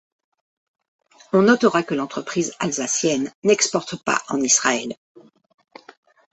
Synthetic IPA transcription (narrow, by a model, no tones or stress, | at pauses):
ɔ̃nɔt̪əʁakəlɑ̃t̪χəpχizalzasjɛnːɛkspɔʁt̪pa̰ʔɑ̰̃nisχaɛl